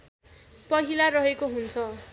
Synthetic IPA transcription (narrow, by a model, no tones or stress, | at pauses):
pʌɦilarʌɦekoɦunt͡sʰʌ